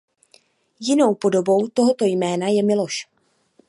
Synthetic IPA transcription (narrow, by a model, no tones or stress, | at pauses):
jɪno̞wpo̞do̞bo̞wt̪o̞ɦo̞t̪o̞jmɛːnajɛmɪlo̞ʃ